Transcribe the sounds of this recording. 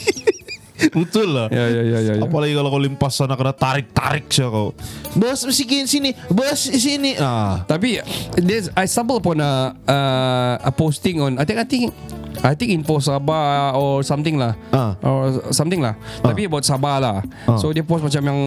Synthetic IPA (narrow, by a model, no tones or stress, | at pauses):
but̪ʊlːajajajajajaapalaɡikalokalimpasanakənat̪aɾɪk̚t̪a̰ɾɪk̚sakawbasisikinsinibasisiniʔat̪apidɛsajsambələpɔnəəəpost̪ɪŋɔnajt̪ĩŋajt̪ɪ̃ŋʔajt̪ɪ̃ŋinfosabaɔrsamt̪ɪŋlahaʔɔsamt̪ɪŋlaht̪apibawt̪̚sabalah | ssodiapost̚mat͡ʃamjaŋ